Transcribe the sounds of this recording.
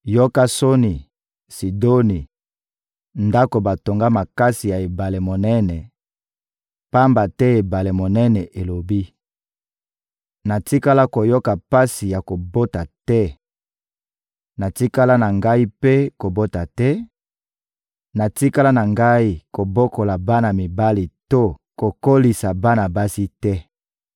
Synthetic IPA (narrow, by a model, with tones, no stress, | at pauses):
jo˦ka˦so˦ni˨ | si˨do˦ni˨ | nda˦ko˨ba˨to˨ŋɡa˦ma˨ka˦si˨ja˨e˨ba˨le˨mo˨nɛ˦nɛ˨ | pa˦mba˨tɛ˦e˨ba˨le˨mo˨nɛ˦nɛ˨ʔe˨lo˨bi˦ | na˨ti˦ka˦la˦ko˨jo˦ka˨pa˦si˨ja˨ko˨bo˦ta˨tɛ˦ | na˨ti˦ka˦la˦na˨ŋɡa˦i˦pe˦ko˨bo˦ta˨tɛ˦ | na˨ti˦ka˦la˦na˨ŋɡa˦i˦ko˨bo˦ko˨la˨ba˦na˨mi˨ba˦li˨to˦ko˨ko˦li˨sa˨ba˦na˨ba˦si˦tɛ˦